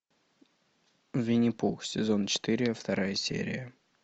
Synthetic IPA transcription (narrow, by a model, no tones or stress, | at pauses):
vʲɪnʲɪpuxsʲɪzo̞nt͡ɕɪ̥t̪ɨɾʲɪəft̪ɐɾajəsʲḛɾʲɪ̰jə